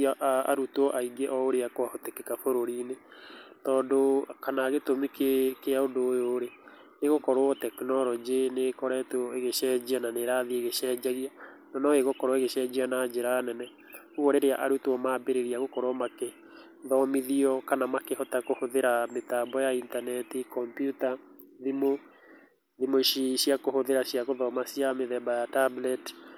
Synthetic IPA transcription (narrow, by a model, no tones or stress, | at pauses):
ʔaa̰ɾutɔʔaiɡeʔɔoɾeakoahotekekafoɾoɾiːnetɔːdokanaːɣetomikekeaodoːjoɾe | neɣokɔɾɔɔtɛknɔɾɔd͡ʒenekɔɾɛtoeɣeʃɛd͡ʑiananeɾaðieɣeʃɛːd͡ʑaɣia | nɔnɔeɣokɔɾɔeɣeʃɛːd͡ʑianad͡ʒeɾaːnɛnɛ | uɔɾeɾeaʔaɾutwɔmabeɾeɾiaɣokɔɾoɔmake | ðɔmiðiɔkanamakehɔtakohoðeɾametaːbɔjaintanɛtikɔmpjuta | ðimo | ðimoʃiɕiakohoðeɾaɕjaɣoðɔmasiameðɛbajatablɛt